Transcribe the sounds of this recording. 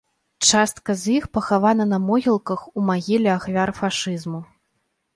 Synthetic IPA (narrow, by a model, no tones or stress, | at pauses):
t͡ʂast̪̚kɐzʲjixpɐxavanɐnɐmɔɣʲilˠkɐxumaɣʲilʲɛaxvʲaɾfaʂɨzmu